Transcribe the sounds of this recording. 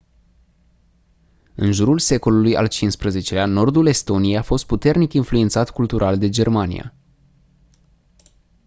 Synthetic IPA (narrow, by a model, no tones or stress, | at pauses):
ɨnʒuɾulse̞ko̞luluja̰lt͡ʃinspɾəze̞t͡ʃe̞lʲano̞rd̪ule̞st̪o̞nijejafo̞st̪̚put̪e̞rnikinfluent̪sat̪kult̪uɾʔald̪e̞d͡ʒe̞rmanḭja̰